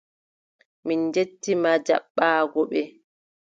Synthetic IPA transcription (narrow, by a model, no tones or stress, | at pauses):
mind͡ʒetːimad͡ʒa̰ɓːaːɡɔɓɛ